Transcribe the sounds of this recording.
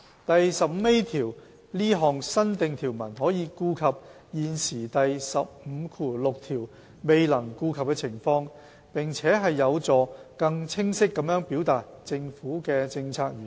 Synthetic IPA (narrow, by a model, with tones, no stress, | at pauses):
t̪ɐ˨jsɐ˨p̚m̩˨˧e˥jt̪ʰiː˨˩w | liː˥ɦɔː˨˩ŋsɐ˥nt̪ɪ˨˧ŋt̪ʰiː˨˩wmɐ˨˩nɦɔː˨˥jiː˨˧kuː˧kʰɐ˨p̚ | jiː˨nsiː˨˩t̪ɐ˨jsɐ˨p̚m̩˨˧˥kʰuː˨˩lʊ˨k̚t̪ʰiː˨˩w | me˨jlɐ˨˩ŋkuː˧kʰɐ˨p̚kɛː˧t͡sʰɪ˨˩ŋfɔː˧ŋ | pɪ˨˩ŋt͡sʰɛː˨˥ɦɐ˨jːɐ˨˧wt͡sɔː˨˧kɐ˧ŋt͡sʰɪ˥ŋsɪ˥kːɐ˨˥mjœː˨˥ŋpiː˨˥wt̪aː˨t̚ | t͡sɪ˧ŋfuː˨˥kɛː˧t͡sɪ˧ŋt͡sʰaː˧k̚jyː˨˩n